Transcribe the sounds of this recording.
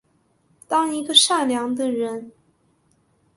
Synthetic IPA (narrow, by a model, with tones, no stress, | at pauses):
t̪ɑ˥ŋi˧˥ɡə˧ʂa˥˩nljɑ˧˥ŋd̪ə˧ɻə˧˥n